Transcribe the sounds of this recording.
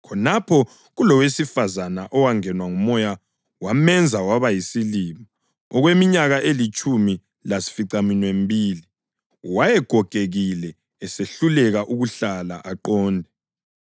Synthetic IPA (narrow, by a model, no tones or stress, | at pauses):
kʰɔnapʰɔ | ɣulɔwesifazanaʔɔwaŋɛnwaŋumɔja | wamɛnd͡zʱawaβajisilima | ɔɣwemiɲaɣaʔelit͡ʃʼumi | lasi̥fiǀaminwembʱiːli | wajɛɡ̥ʱɔɡ̥ʱeɣilɛː | seɬulɛɣaʔuɣuɬala̰ʔaǃɔːndʱɛ